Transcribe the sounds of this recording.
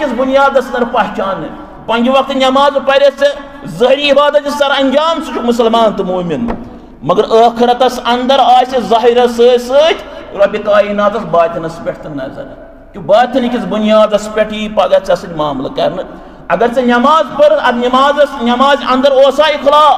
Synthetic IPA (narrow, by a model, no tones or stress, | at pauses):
kʲit͡sbunjaːd̪ɐsɐnɐɾpɐɦt͡ʃaːnːɨ | pɐnʲd͡ʒʋɐk̚t̪ɨnʲɐmaːzpɐɾʲet͡si | zɐɦɾiːbaːd̪ɐt̪isɐɾɐnʲd͡ʒaːmsɨt͡ʃʰumusɐlmaːnt̪ɨmuːmin | mɐɡɐɾəːkʰiɾɐt̪ɐsɐnd̪ɐɾaːsizaːɦiɾɐsəːsət̪ʲʰuɾɐbʲikaːjinaːzɐsbaːt̪ʲinɐsbɐʈʰʲt̪ɨnnɐ̰zɐ̰ɾ | kʲubaːt̪ʰʲinikʲit͡sbunjaːd̪ɐspʲɐʈiːpɐɡɐɾt͡sɐsɨdʲmaːmlɐ̰kɐ̰ɾnɨ | ɐɡɐɾt͡sɐnʲɐmaːzpɐɾɐd̪nʲɐmaːzɐsnʲɐmaːzɐnd̪ɐɾoːsaːikʰlaː